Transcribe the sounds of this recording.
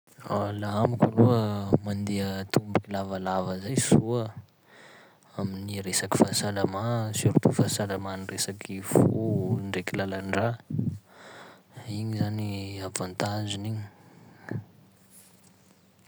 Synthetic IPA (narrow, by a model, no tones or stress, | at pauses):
a̰laɦamikʲaluəmand̪iət̪umbikilavalavəzajsuə | aminiɾesaki̥fasalamasiɾt̪ufasalamaniresakʰifuɳɖ͡ʐekilalaɳɖ͡ʐa | iɲizaniavant̪aziniɲi